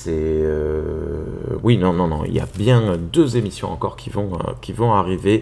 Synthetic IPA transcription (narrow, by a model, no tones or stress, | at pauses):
sɛø | winɔ̃nɔ̃nɔ̰̃ḭlja̰bjɛ̃d̪øzemisjɔ̰̃ɑ̰̃kɔ̰ʁkʲʰivɔ̃ø̰kʲivɔ̃aʁive